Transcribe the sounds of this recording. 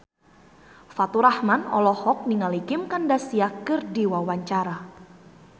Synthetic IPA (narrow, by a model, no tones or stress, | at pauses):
fat̪uɾahmanɔ̰lɔhɔk̚niŋalikɪmkandasiakɨrdiwawaɲt͡ʃaɾa